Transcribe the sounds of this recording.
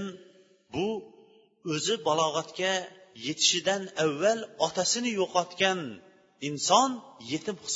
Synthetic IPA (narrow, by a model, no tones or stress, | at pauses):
n | bu | øzɪbɑlˠɑʁɛt̪kʲɛjet̪ʰɪ̥ʃid̪ɛnɛwːɛlɑt̪ʰɛsɪnɪjoqɑt̪kʲɛn | insɑnjet̪ʰɪmχs